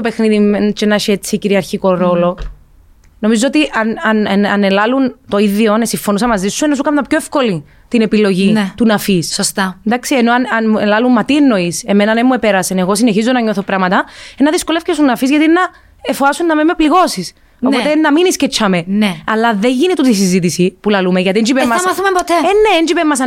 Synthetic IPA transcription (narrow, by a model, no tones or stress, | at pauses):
t̪ope̞xniðiet͡ʃenɐʃiet͡sːiciɾiɐɾçiko̞ɾo̞lo̞ | no̞mizoot̪iʔɐnɐnɐnɐ̰nelɐlunt̪o̞iðionesiɱfo̞nusɐmɐzisːuenːɐs̬ukɐmd̪ɐpçoefko̞li | t̪ine̞pilo̞ʝit̪unɐfissost̪ɐnd̪ɐksienoɐnɐnmuelɐlumːɐt̪ienːo̞ise̞me̞nɐnemːue̞peɾɐsene̞ɣo̞sine̞çizonɐɲo̞θo̞pɾɐmɐt̪ɐenːɐðisko̞lefcesunːɐfizʝɐt̪innːɐ | efoɐsunːɐmemepliɣo̞sis | o̞pot̪enːɐminiscet͡ʃʰːɐme̞neɐlːɐðe̞ɲʝinit̪ut̪isizit̪isipulɐlumeʝɐt̪iend͡ʒipemːɐsɐmɐθumepot̪eenːeend͡ʒipemːɐs̬ɐ